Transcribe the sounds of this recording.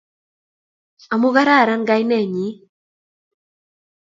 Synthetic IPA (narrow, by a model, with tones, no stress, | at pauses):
a˨mu˦ɣa˦ɾa˦˨ɾa˦nɡa˦jnɛ˦˨ɲi˨˦